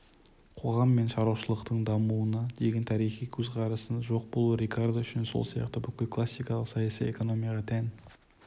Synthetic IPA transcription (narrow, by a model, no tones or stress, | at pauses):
qʰo̞ʁɑmːe̞nʃɑɾɑwʃəlˠəqt̪əɴd̪ɑmuənɑd̪e̞ɡʲent̪ʰɑɾijχijkʲʰɵzʁɑɾəsənʒo̞q̚bolˠuɾʲekord̪aʏʃɪnso̞̰lˠsijɑ̰qt̪əbʏkʲɪlkʰlˠasːijkɑlˠəqsɑjɑsḭjḛko̞no̞mijɑʁɑt̪ʰæn